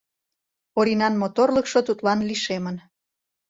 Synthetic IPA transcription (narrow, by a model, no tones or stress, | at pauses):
oɾinɑnmot̪orləkʃot̪ut̪lɑnliʃemən